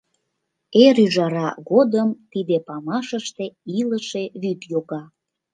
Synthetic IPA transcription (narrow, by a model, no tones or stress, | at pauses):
eɾyʒɑɾɑɣod̪əmt̪id̪epɑmɑʃəʃt̪eiləʃeβyt̪joɣɑ